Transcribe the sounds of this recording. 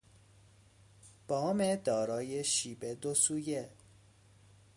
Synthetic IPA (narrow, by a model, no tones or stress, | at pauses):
b̥ɒːmed̪ɒːɾɒːjeʃiːbed̪osuːje